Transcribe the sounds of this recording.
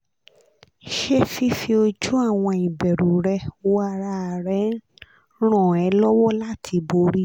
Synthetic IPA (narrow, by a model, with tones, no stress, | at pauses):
ʃe˦fi˦fi˧o˧d͡ʒu˦a˦˨w̃ɔ̃˧i˨bɛ˨ɾu˨ɾɛ˧o˦a˧ɾa˧˨ɾɛ˨˦ | ɾ̃ɔ̃˦˨ɛ˨˦lɔ˦wɔ˦la˦tʰi˧bo˧ɾi˦